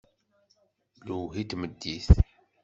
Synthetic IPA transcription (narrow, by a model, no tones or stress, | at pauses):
luɦit̪məd̪ːiθ